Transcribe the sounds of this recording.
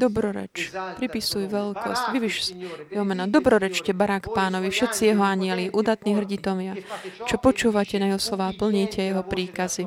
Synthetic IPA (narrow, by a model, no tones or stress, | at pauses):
d̪ɔbɾɔɾɛ̰t͡ʃpɾipisujʋɛlkɔ̰scʋiʋiʃjɛɦɔmɛnɔd̪ɔbɾɔɾɛt͡ʃcɛbaɾakpaːnɔʋifʃɛt̪t͡sijɛɦɔaɲɪɛliʔuːd̪at̪niːɦr̩ɟit̪ɔʋɪat͡ʃɔpɔt͡ʃuːʋacɛnajɛɦɔslɔʋaːpl̩ɲiːcɛjɛɦɔpɾiːkazi